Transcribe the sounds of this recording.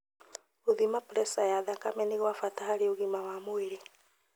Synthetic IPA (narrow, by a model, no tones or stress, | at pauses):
oðimapɾɛsajaðakamɛniɣwafataɦaɾeoɣimawamoeɾe